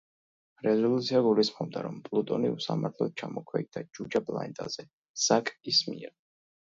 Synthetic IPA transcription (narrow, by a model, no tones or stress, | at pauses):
ɾɛzɔlˠut̪sʰiaɡulisχɔb̚d̪aɾɔmpʼlˠut̪ʼɔniusa̰maɾt̪ʰlɔt̪̚t͡ʃʰamɔkʰwɛ̰ɡ̚d̪ad͡ʒud͡ʒapʼlˠa̰nt̪ʼa̰zɛ | sakʼismiɛɾ